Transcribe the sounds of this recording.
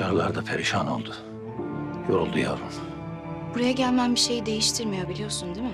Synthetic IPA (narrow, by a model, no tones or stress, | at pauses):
aɾlˠaɾd̪apʰeɾiʃaːno̞̰lˠd̪ʊ | joɾulˠd̪uja̰vum | buɾajaɟælʲmænbiʃe̞jid̪e̞jiʃt̪ʰiɾmijobilʲijo̞sund̪imɪ